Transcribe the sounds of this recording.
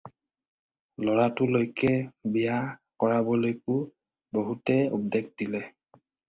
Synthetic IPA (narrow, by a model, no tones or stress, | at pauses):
lɔɹatʊlojkɛbijakɔɹabɔlojkʊ | boɦutɛṵb̚deɡdilɛ